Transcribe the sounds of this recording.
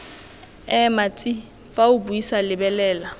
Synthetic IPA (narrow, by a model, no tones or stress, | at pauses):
ɛmat͡sʼi | faʊbuisalɪbɛlɛːla